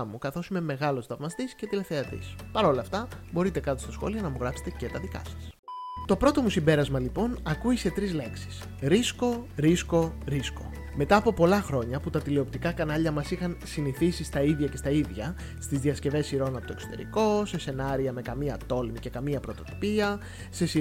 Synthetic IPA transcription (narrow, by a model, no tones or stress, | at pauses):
mukɐθo̞sime̞me̞ɣɐlo̞sθɐvmɐst̪isce̞t̪ile̞fθeɐt̪ḭspɐɾo̞lɐft̪ɐbo̞ɾit̪e̞kɐt̪ost̪ɐsxo̞̰liɐnɐmuɣɾɐpset̪ece̞t̪ɐðikɐ̰sɐ̥s | t̪o̞pɾo̞t̪o̞musimbe̞ɾɐzmɐlipo̞nɐkuise̞t̪ɾizle̞ksi̥s | ɾisko̞ɾisko̞ɾisko̞̰ | me̞t̪ɐːpo̞po̞lɐxɾo̞ɲɐput̪ɐt̪ileo̞pt̪ikɐkɐnɐʎɐmɐsixɐnsiniθisist̪ɐiðʝɐce̞st̪ɐiðʝɐ | st̪izðiɐsce̞ve̞siɾo̞nɐpooe̞kso̞t̪e̞̰ɾḭko̞se̞se̞nɐɾiɐme̞kɐmiɐt̪o̞lmice̞kɐmiɐpɾo̞t̪o̞t̪i̥piɐ | se̞si